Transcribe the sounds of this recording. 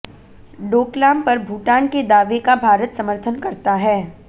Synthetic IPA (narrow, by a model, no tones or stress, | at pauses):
ɖoːklaːmpɐɾbʱuːʈaːnked̪aːʋekabʱaːɾət̪sɐməɾt̪ʰənkɐɾt̪aɦɛː